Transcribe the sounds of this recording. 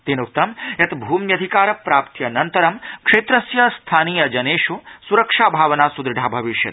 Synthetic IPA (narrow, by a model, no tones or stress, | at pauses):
t̪eːnuk̚t̪ɐmjɐt̪bʱuːmjɐd̪ʱikaːɾɐpɾaːpt̪jɐnɐnt̪ɐɾɐmkʂeːt̪ɾɐsjɐst̪ʰaːniːjɐd͡ʒɐneːʂusuɾɐkʂaːbʱaːʋɐnaːsud̪ɾɖʱaːbʱɐʋiʃjɐ̰t̪